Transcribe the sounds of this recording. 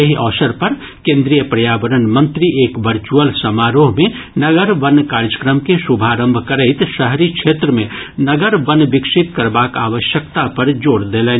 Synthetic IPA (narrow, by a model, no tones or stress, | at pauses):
jəɦiʔɔːsəɾpɐɾ | kẽnd̪ɾijəpɾɐjaːbəɾənmə̃nt̪ɾiʔeːkʋəɾt͡ʃuəlsəmaːɾoːɦmẽ | nəɡəɾʋənːkaːɾjd͡ʒəkɾəmkesubʱaɾə̃mbʱkəɾəɪt̪ʃəɦɾikt͡ʃʰeːt̪ɾəmẽnəɡəɾbənːbɪkʃit̪kəɾbaːka̰ːʋəʃjəkt̪apəɾd͡ʒoːɽd̪elɛn